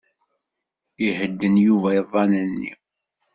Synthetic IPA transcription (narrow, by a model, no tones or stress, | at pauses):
ihəd̪ːənjuvæjəðˤːɑnənːḭ